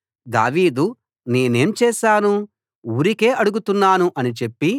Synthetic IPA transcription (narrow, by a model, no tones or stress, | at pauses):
d̪a̰ːʋiːd̪u | neːne̞ːmt͡ʃɛːʃaːnu | uːɾike̞ːʔɐɽuɡut̪unːaːnuʔɐnit͡ʃe̞pːi